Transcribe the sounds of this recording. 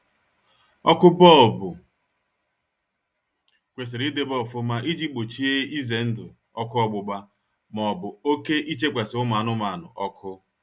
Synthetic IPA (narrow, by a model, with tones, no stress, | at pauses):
ɔ˦kʊ˦bɔ˦˨bʊ˨ | kʷe˨s̬e˨ɾi˦de˦bɔ˦˨fʊ˦ma˦ʔi˦d͡ʒi˦k͡po˨t͡ʃi˦e˦i˦ze˨n̩˦dʊ˨ | ɔ˦kʊ˦ɔ˦ɡ͡bʊ˨ɡ͡ba˦ | mɔ˨bʊ˨o˦ke˦ʔi˦t͡ʃe˦kʷa˨sɪ˨ʊ˦ma˨nʊ˦ma˨a˨nʊ̰˨ʔɔ˦kʰʊ˦